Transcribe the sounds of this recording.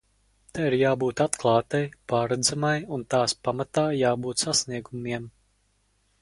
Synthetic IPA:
t̪aiɾjaːbuːt̪at̪klˠɑːt̪ajpaːɾɛd̪zamajunt̪aːspamat̪aːjaːbuːt̪sasniɛɡumiɛm

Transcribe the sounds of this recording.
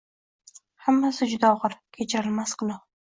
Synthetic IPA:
hamːasɪd͡ʒʊd̪aɒʁɨɾkʲʰet͡ʃʰaɾɪlmasqɨlɑ

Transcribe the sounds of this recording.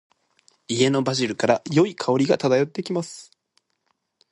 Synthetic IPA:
ie̞no̞baʑiɾɯ̟kaɾajo̞ikʰao̞ɾʲiɡat̪ad̪ajo̞t̪ːe̞kʲimasɨ̥

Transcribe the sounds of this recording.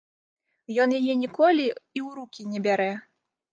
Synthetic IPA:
jɔnjajɛnʲikɔlʲiiwɾukʲinʲɛbʲaɾɛ

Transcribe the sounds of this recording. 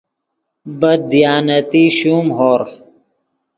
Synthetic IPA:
bɐd̪̚d̪ijaːnɐt̪iɕuːmɦoːɾ

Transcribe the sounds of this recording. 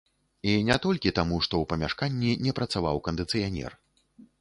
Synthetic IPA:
inʲɛt̪ɔlʲkʲit̪amuʂt̪ɔwpɐmʲaʂkanʲːinʲɛpɾɐt̪sava̰wkɐnd̪ɨt̪sɨjanʲɛ̰r

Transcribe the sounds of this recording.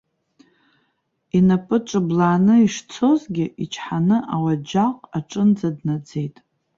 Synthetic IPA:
inapʼɨʈ͡ʂʷʼɨblaːnɨiʂt͡sʰozɡʲɪʔit͡ʃʰħanɨʔawad͡ʒaqʼaʈ͡ʂʼɨnd͡zadnad͡ze̞jtʼ

